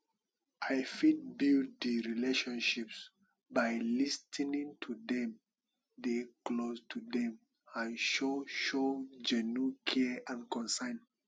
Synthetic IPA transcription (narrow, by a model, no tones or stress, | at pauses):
ʔajfit̚bild̚diɹileʃɔ̃nʃips | bajlistʰnĩŋtʰudɛ̃m | deklostʰudɛ̃m | ãnʃoʃod͡ʒɛnukʰɛãnkɔ̃nsãɪn